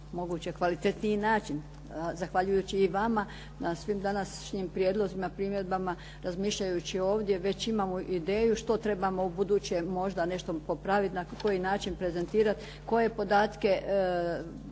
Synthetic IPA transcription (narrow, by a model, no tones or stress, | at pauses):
mo̞ɡuːt͡ɕekʋalit̪e̞t̪niinaːt͡ʃin | zaxʋaʎujuːt͡ɕiːʋama | nasʋimd̪anasʃɲimpɾjeːd̪lˠo̞zimapɾiːmjed̪̚bama | ɾazmiːʃʎajut͡ɕio̞ːʋd̪je̞ʋe̞t͡ɕimamoʔid̪e̞ːjuʃt̪o̞t̪ɾe̞bamo̞ubud̪uːt͡ɕemo̞ʒd̪ane̞ʃt̪o̞popɾaʋit̪nako̞jinaːt͡ʃinpɾe̞ze̞nt̪iːɾat̪ | ko̞je̞po̞d̪aːt̪ke̞